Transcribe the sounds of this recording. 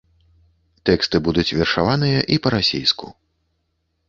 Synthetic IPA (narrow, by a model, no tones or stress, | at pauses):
t̪ɛkst̪ɨbud̪ut͡sʲvʲɛrʂavanɨjɐʔipɐɾasʲejskṵ